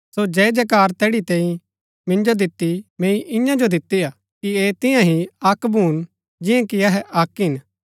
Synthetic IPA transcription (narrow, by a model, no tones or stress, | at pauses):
sod͡ʒɛːd͡ʒɛkaːɾt̪ɛːɽit̪ɛ̃ːĩ | mɪ̃nd͡ʒod̪ɪt̪ːimẽːĩʔɪjãd͡ʒod̪ɪt̪ːiaː | kieːt̪ɪ̃jãɦiɐkbuːn | d͡ʒɪ̃jãkiɐɦɛʔɐkɦɪn